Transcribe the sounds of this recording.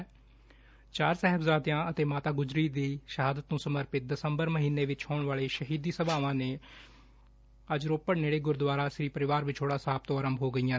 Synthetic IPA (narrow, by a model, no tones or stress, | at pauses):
t͡ʃaːɾsɛɦəbzaːd̪jãːət̪eːmaːt̪aːɡʊzɾiːd̪iːʃəɦaːd̪ət̪nũːsəməɾpɪt̪̚d̪əsəmbəɾməɦiːnːeːʋɪt͡ʃhoːɳʋaːleːʃəɦiːd̪iːsəbaːʋãːneː | əd͡ʒɾoːpːəɽneːɽeːɡʊɾd̪waːɾaːʃɾiːpəɾɪʋaːɾʋɪt͡ʃɦoːɽaːsaːb̚t̪õːaːɾəmbʱɦoːɡəijãː